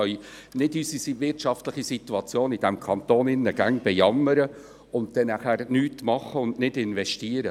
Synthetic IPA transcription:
œʏ | nɪdysisivɪrtʃɑftləχisituɑt͡sjoːnid̥æmkʰɑnt̪oːnɪnːəɡ̥æŋb̥ɛjɑmːəɾə | ʊnt̚d̥̪ɛnæχæːɾnyːtmɑχːəʊndnɪdɪnvɛʃtiːəɾə

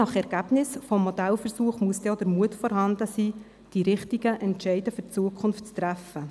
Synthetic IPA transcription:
ɑχɛɾɡ̥æbnɪsfɔmːɔd̥̪ælfəɾsuːəχmuəsd̥̪ɛɔd̥əɾmuətfɔɾɦɑnd̪əsiː | d̥iɾɪχtiɡəʔɛntʃɛɪdəfʏrt͡suəkʰʊnftt͡st̪ɾæfə

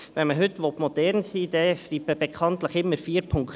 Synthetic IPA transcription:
ʋɛnməɦʏt̪ːʋopmod̥̪ɛɾnsiːd̪ɛfriːpəb̥ekʰɑnt̪ləχɪmːəɾfiːəɾpʰʊŋk

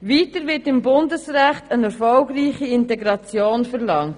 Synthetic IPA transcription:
ʋiːtəɾʋɪtɪmbʊndəsɾæχtənɛɾfɔlɡɾiːχiɪntɛɡɾɑt͡sjoːnfəɾlɑŋt

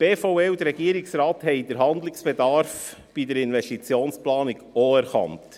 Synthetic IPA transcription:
b̥eːfɔʊeːud̪əɾɛɡiəɾɪksɾɑːthɛɪdəɾɦɑnd̪lɪksb̥ɛd̪ɑɾf | b̥idəɾɪnvɛstit͡sjoːnsplɑːnɪɡoæɾkɑ̰nt

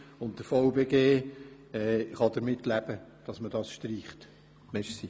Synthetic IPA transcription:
ʊn̚d̥əɾfɔʊbeɡeː | ɛχɑd̪əɾmɪtːlæb̥əd̥ɑsməd̥ɑːsʃtɾiːχt | mɛʃsi

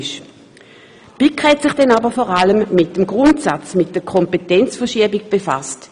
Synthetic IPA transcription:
ʃ | b̥ikhɛtsɪχd̥ɛnaːbəfɔʁaləmːɪt̚d̥əmɡʁʊntsat͡smɪt̚d̥əɐkʰɔmpetɛnt͡sfəɐʃiɐbɪɡ̚b̥efast

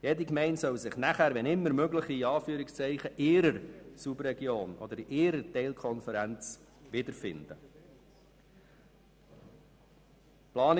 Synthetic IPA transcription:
jɛd̪ikmɛɪntsœwsɪχnæχæːɾʋɛnɪmːəɾmøɡləχiːɑːfyːɾɪkst͡sɛɪχəʔɪːɾəɾsubrɛɡjoːnɔ̰d̪əɾiʔɪːɾətɛɪlkʰɔnfɛɾænt͡s | ʋɪd̪əɾfɪ̰nd̪ə | plɑːn

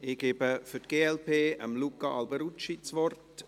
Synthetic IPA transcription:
ɪɡ̥eːbəfʏt̚ɡ̥eːɛlpʰeːəmlukaʔɑlbəɾut͡ʃit͡svɔrt

